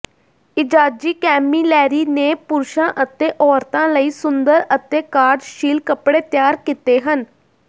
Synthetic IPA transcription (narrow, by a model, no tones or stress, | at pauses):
ɪd͡ʒaːd͡ʒiːkɛːmiːlɛːɾiːneːpʊɾʃãːʔət̪eːʔɔːɾt̪ãːləiːsʊnd̪əɾət̪eːkaːɾɖʃiːlkəpɽeːt̪jaːɾkit̪eːɦən